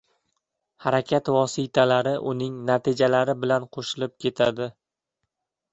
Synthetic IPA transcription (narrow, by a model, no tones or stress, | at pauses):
haɾakʲʰat̪vɒsɪt̪ʰalaɾɪʔʊnɪŋnat̪ʰɪd͡ʒalaɾɪbɪlanqʰoʃɪlɪp̚kʲʰe̞t̪ʰad̪ɪ